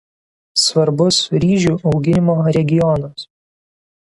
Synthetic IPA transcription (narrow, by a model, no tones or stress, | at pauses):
sʋɐɾbʊsɾʲiːʒʲuːʔɒʊɡʲɪnʲɪmoːɾʲɛɡʲɪjɔnɐs